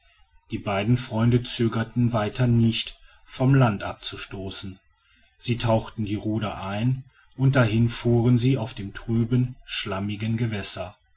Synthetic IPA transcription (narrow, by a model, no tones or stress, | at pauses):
d̥iːbaɪdn̩fʁ̥ɔʏndət͡søːɡɐtn̩vaɪtʰɐnɪçt | fɔmlantʔa̰p̚t͡suʃtoːsn̩ | z̥iːtʰaʊxtn̩diːʁuːdɐʔaɪn | ʔʊnt̚d̥aɦɪnfuːʁənziːaʊfd̥eːmtʁ̥yːbənʃlamɪɡənɡəvɛsɐ